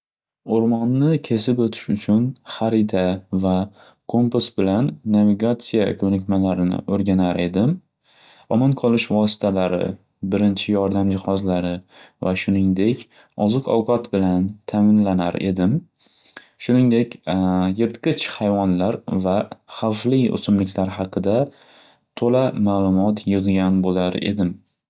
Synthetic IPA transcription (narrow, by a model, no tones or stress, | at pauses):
oɾmɒnːɪkʲʰe̞sɪpot̪ʰɪ̥ʃʊt͡ʃʰʊnχaɾɪt̪ʰava | kʰomposbɪlanːaviɡat̪sijakʰɵnɪkʲmalaɾɪnɪ̰ʔoɾɡʲanaɾʔe̞d̪ɪm | ɒmanqʰɒlˠɪʃvɒsɪ̥t̪ʰalaɾɪ̰ | bɪɾɪnt͡ʃʰɪjɒɾd̪amd͡ʒɪhɒzlaɾɪvaʃʊnɪŋd̪e̞kʲ | ɒzɨqʰɒwqʰɑt̪bɪlant̪ʰamɪnlana̰ɾe̞̰d̪ɪm | ʃʊnɪŋd̪e̞kʲjeɾt̪qɨt͡ʃhajvɒnlaɾvaχafliʊ̰sʊmlɪkʲʰlaɾɦɑqʰɨd̪a | t̪ʰolamaːlˠʊmɒt̪ʰjɨʁɡʲanbolaɾe̞̰d̪ɪm